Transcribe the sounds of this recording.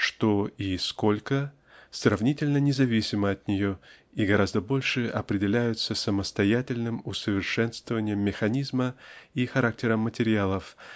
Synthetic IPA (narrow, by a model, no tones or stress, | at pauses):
ʂt̪oisko̞lʲkə | srɐvnʲitʲɪlʲnənʲɪzɐvʲisʲɪməɐt̪nʲɪjo̞ | iɡɐɾazd̪əbo̞lʲʂɨɐpɾʲɪdʲɪlʲæjʊt̪səsəməst̪ɐjætʲɪlʲnɨmʊsəvʲɪrʂɛnst̪vəvənʲɪjəmːʲɪxɐnʲizməixɐɾak̚tʲɪɾəmːətʲɪɾʲɪalˠəf